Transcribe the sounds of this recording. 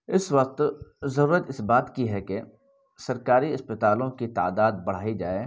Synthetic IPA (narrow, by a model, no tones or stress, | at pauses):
ɪswɐq̚t̪zɐɾuːɾət̪ɪsbaːt̪kiɦɛke | sɐɾkaːɾiɐspət̪aːlõkit̪a̰ːd̪aːd̪̚bɐɽ̤aːid͡ʒaːeː